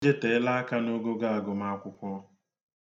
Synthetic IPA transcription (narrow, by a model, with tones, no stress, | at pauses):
d͡ʒe˦te˨ɪ˦la˦a˦ka˦no˦ɡo˦ɡa˦a˨ɡʊ˨ma˦a˦kʷʊ˦kʷɔ˦